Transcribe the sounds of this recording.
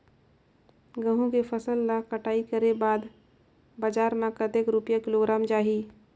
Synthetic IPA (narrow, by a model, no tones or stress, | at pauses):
ɡə̃ɦũkepʰəsəlːakəʈaːikəɾebaːd̪ | bad͡ʒaːɾmãkət̪ekɾupjakɪloɡɾaːmd͡ʒaːɦi